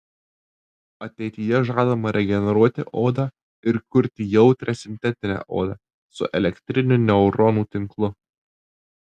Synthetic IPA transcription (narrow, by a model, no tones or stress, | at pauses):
ɐt̪ʲɛɪt̪ʲijɛʒɑːd̪ɐmɐɾʲɛɡʲɛnʲɛɾuɔt̪ʲɪʔoːd̪ɑː | ɪɾkʊɾʲt̪ʲɪjɛʊt̪ʲɾʲɛsʲɪnʲt̪ʲɛt̪ʲɪnʲæ̰ːʔo̰ːd̪ɑ̰ː | sʊ̰ʔɛlʲɛkʲt̪ʲɾʲɪnʲʊnʲɛʊɾɔnuːt̪ʲɪŋklˠʊ